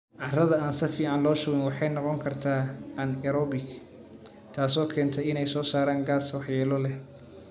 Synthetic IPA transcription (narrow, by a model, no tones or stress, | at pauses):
ʕɑrɐðɐaːnsɐfiːʕɑnlɔːʃʊwɪnwɑħɑjnɔqɔŋkʰɐrt̪ʰaːɐnɛɾɔbɪɡ | t̪ʰaːsɔːkʰɛːnt̪ʰɛjɪnɛjsɔːsaːɾaːŋɡaːswɑħjɛːlɔlɛ